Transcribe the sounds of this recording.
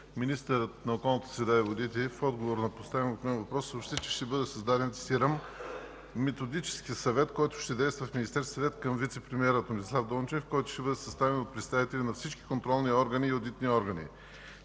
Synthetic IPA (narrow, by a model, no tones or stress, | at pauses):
minist̪əɾət̪nɐokɔlˠnət̪ə̥sɾɛd̪aivod̪it̪ɛfɔd̪ɡovoɾnɐpost̪avimot̪mɛnvɐpɾɔsːopʃt̪ɛt͡ʃɛ̥ʃt̪ɛbɤd̪ɛsɐzd̪ad̪ɛnt̪siɾamː | ɛt̪od̪it͡ʃɛ̥skiəsɐvɛt̪kɔjt̪ʊ̥ʃt̪ɛd̪ɛjst̪vəfmʲinist̪ɛɾsɐvɛt̪kəmvit̪sɛpɾɛmiɛɾət̪onislˠavd̪ont͡ʃnifkɔjt̪ʊ̥ʃt̪ɛbɤd̪ɛsɐst̪avɛnot̪̚pɾɛt̪st̪avit̪ɛlʲinɐfsit͡ʃkʲi̥kont̪ɾɔlˠniɔɾɡəniːod̪it̪niɔɾɡənḭ